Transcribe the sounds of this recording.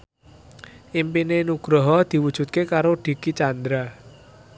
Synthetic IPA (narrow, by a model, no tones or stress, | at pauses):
ʔimpinenuɡ̥ɾɔɦɔd̪̥i̤wud̥ʒ̥ṳt̪̚kekaɾoɖ̥i̤kit͡ʃand̪ɾa